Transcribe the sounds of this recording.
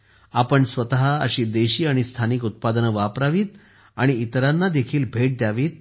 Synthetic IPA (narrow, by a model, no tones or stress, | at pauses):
apəɳsʋət̪aɦaəɕiːd̪eɕiːaɽ̃ist̪ʰanikut̪̚pad̪ənʋapɾaʋiːt̪̚ | aɽ̃iit̪ɾanːad̪ekʰiːlbʱeʈ̚d̪jaʋiːt̪̚